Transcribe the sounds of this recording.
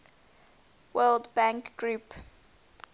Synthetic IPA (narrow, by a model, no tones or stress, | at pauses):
wɜːlˠdbãŋkɡ̥ɹup